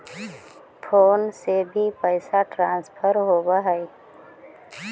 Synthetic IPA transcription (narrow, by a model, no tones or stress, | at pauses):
pʰoːnsebʱipəɪsaʈɾãːnspʰəɾɦoːbaɦɛe